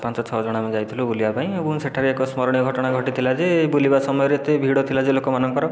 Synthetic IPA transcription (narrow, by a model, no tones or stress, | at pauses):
pãnt͡ʃɔt͡ʃʰɔd͡ʒɔɽ̃amed͡ʒajt̪ʰilubulibapaĩebɔ̃ŋseʈʰaɾeekɔsmɔɾɔɽ̃ijɔɡʱɔʈɔɽ̃aɡʱɔʈit̪ʰilad͡ʒebulibasɔmɔjɔɾet̪ebʱiɽot̪ʰilad͡ʒelokɔmanɔŋkɔɾɔ